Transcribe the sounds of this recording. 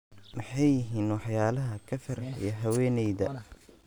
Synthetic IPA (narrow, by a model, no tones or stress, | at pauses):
mɑħɑjːɪɦiːnwɑħjaːlɐɦɐkʰɐfɐɾħɪ̰jɐɦɐwɛːnɛjðɐ